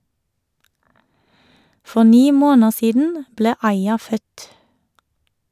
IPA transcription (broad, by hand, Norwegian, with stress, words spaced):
ˈfɔ ˈniː ˈmoːnəʁ ˈsiːdn̩ ˈbleː ˈɑɪɑ ˈfœt